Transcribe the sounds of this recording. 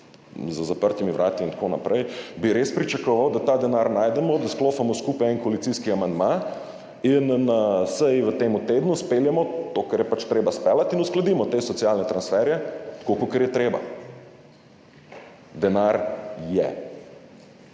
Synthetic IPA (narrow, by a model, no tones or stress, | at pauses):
zəzapəɾt̪imiʋɾʔaːt̪iint̪konapɾɛjbiɾespɾit͡ʃakɔʋawd̪at̪aːd̪ɛnaɾnaːjd̪ɛmɔd̪askloːfamɔskupajɛnkɔalit̪siskiamand̪ma | innsɛjʋət̪eːmut̪eːd̪nuspeljɛmɔt̪okɐɾjɛpat͡ʃt̪ɾeːbaspɛlat̪inusklad̪iːmɔt̪eːsɔt̪sialnɛt̪ɾansfɛɾjɛt̪kokokɛɾjɛt̪ɾeːba̰ | d̪ɛnaɾjɛ̰